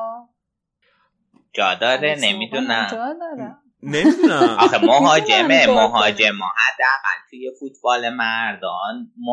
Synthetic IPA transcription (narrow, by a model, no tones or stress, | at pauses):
d͡ʒɒːd̪ɒːɾenemid̪uːnæ | nʔɒxemoɦɒːd͡ʒememoɦɒːd͡ʒemɒːhæd̪ːeæɣæ̰lt̪ʰujefut̪̚ʰbɒːlemæɾd̪ɒnmo